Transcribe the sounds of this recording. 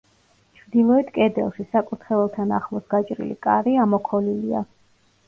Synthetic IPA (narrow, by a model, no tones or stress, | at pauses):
t͡ʃʰmd̪ilˠɔɛt̪ʰkʼɛd̪ɛ̰lˠʃisakʼuɾt̪ʰχɛɛlˠt̪ʰana̰χlˠɔsɡat͡ʃʼɾḭlḭkʼaɾiamɔkʰɔlilia̰